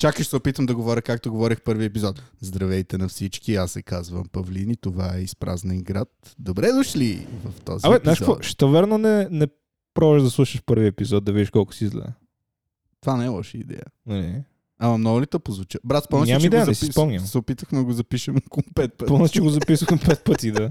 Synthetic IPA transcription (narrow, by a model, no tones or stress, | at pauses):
t͡ʃakəʃsɛopit̪əmd̪ɐɡovɔɾʲəkak̚t̪oɡovɔɾʲixpɤɾviɛpizɔt̪̚zd̪ɾɐvɛjt̪ɛnɐfsit͡ʃkiasːɛkazvɐ̰mpɐvlinit̪ovaɛispɾa̰znəiɡɾat̪̚ | d̪obɾɛd̪oʃlivɐft̪ɔ̰ziamɛnaʃɔʃt̪ɐvɛɾnonɛnɛ | pɾɔvəʒd̪ɐslˠuʃəʃpɤɾviɛpizɔt̪̚d̪ɐvid̪iʃkɔlˠkʊ̥siizlɛ̰ | t̪ovanajlˠɔʃəid̪ɛ̰jənɐlḭ | ɐmɐnɔlit̪ɐpozvʊt͡ʃabɾat̪spɔɲʲammid̪ɛjɐnɛsispɔmnʲəmsɛopit̪əxmɛd̪ɐɡozɐpiʃəmkompɛt̪̚pəpɔnɛt͡ʃɛɡozɐpisəxmpɛt̪̚pət̪id̪a